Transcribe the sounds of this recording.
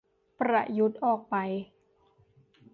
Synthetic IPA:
pɾa̰˧˩ju˦˥t̪̚ʔɔː˨˩k̚pa˨˧j

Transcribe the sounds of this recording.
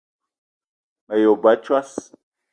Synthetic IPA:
ma˨jo˨ba˦t͡ʃwa˦s

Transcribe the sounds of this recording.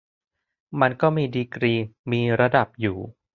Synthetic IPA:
ma˧nkɔː˥˩miː˧diː˧kɾiː˧miː˧ɾa˧da˨˩p̚juː˨˩

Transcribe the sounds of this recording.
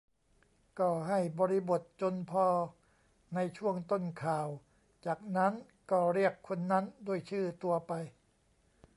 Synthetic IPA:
kɔː˧˩ɦa˥˩jbɔː˧ɾi˦˥bo˨˩t̪̚t͡ɕo˧npʰɔː˧ | na˧jt͡ɕʰu˥˩əŋt̪o˥˩nkʰaː˨˩w | t͡ɕaː˨˩k̚na˦˥n | kɔː˥˩ɾi˥˩əkʰːo˧nːa˦˥ndu˥˩əjt͡ɕʰɯː˥˩t̪u˧ɐpa˧j

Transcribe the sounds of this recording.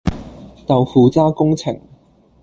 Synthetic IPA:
t̪ɐ˨wfuː˨t͡saː˥kʊ˥ŋt͡sʰɪ̰˨˩ŋ

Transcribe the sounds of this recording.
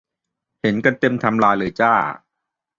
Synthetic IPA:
he˩˦nka˧nt̪e˧mt̪ʰa˧mlaː˧jlɯː˩˦t͡ɕaː˥˩

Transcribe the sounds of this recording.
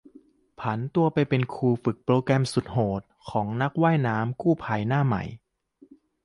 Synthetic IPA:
pʰa˩˦nt̪u˧ɐpa˧jpe˧nkʰuː˧fɯ˨˩k̚pɾoː˧kɛ˧msu˨˩t̪̚hoː˨˩t̪̚kʰɔː˩˦ŋna˦˥k̚waː˥˩jnaː˦˥mkuː˥˩pʰaː˧jnaː˥˩ma̰˨˩j

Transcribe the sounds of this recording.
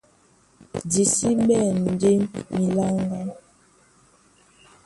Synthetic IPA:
di˨si˦ɓɛ˦˨n̩˨de˦mi˨la˦ŋɡa˦

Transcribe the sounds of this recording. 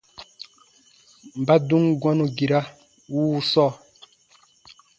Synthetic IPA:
m̩˨ba˦du˦ŋɡwa˦no˨ɡi˨ɾa˦ | wuː˦u˦sɔː˦˨

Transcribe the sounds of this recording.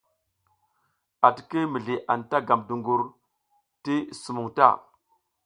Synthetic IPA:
a˨ti˨ki˦mi˨ɮi˨ʔa˨nta˦ɡa˨mdu˨ŋɡu˨ɾ | ti˦su˨mu˨ŋta̰˦˨

